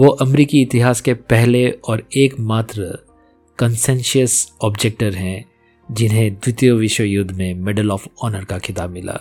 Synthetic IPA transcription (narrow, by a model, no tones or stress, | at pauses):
ʋoːʔɐmɾiːkiɪt̪ɪɦaːskepɛɦleɔːɾeːkmaːt̪ɾə | kɐnsɛ̃nʃəsɔːbd͡ʒeːk̚ʈəɾɦɛ̃ | d͡ʒɪnɦẽd̪wɪt̪joʋɪʃwəjʊd̪ʱːmẽmɪɖəlɔːfɔːnəɾkakʰɪt̪aːbmɪlʔa̰ː